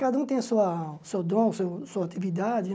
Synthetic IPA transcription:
kad̪ɐũt̪ẽj̃suɐsewd̪õsewsuɐat̪ivid̪ad͡ʒɪ

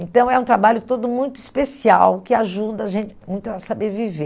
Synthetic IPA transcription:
ẽnt̪ɐ̃w̃ɛũt̪ɾabaʎʊt̪od̪ʊmũj̃t̪ʊispesiawkɪaʒud̪ɐaʒẽnt͡ʃɪmũj̃t̪ʊasobɾevive

